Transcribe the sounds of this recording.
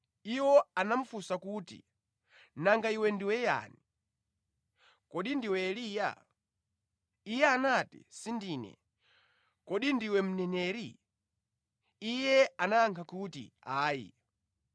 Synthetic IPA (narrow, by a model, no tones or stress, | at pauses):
iwɔanaɱ̩fusakutḭ | naŋɡaiwɛndiwɛja̰ni | kɔɗindiwɛːlija̰ | ijɛanatḭsindiːnɛ̰ | kɔɗindiwɛm̩nɛnɛɾi | ijɛanaːŋkʰakutḭaːjḭ